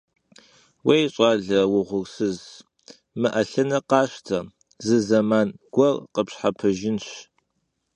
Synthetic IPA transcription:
wejɕʼɑːɮɐwʊʁʷʊrsɨz | mɨʔɐɬɐnɐqɑːɕtʰɐ | zɨzɐmaːnɡ̥ʷɐrqəpɕħapʰɐʒɪnɕ

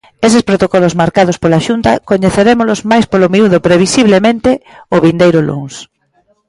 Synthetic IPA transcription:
esespɾot̪okɔlozmaɾkað̞ospolaʃunt̪ɐkoɲeθeɾemolozmajspolomiuðopɾeβ̞isiβlemẽnt̪eʊβind̪ejɾʊlṵŋs

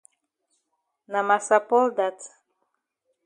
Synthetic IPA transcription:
namasapɔld̪at̪

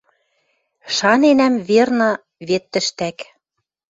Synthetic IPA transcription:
ʃɑnenæmβernɤ̆ | βet̪ːɘ̆ʃt̪æk

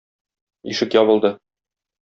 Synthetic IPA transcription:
ḭʃɘkjɒβɤ̆lˠd̪ɤ

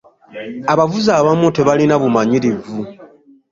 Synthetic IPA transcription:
aβavuzaːβamute̞βalinaβumaɲiɾivu

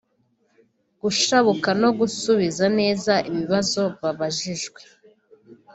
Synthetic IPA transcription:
ɡ̥uʃaβukano̞ɡusuβizane̞ːzaʔiβiβazo̞βaβaʒiʒɡwe̞

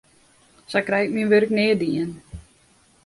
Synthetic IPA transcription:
sɛjkrɛjtmiənʋørəknɪədiən

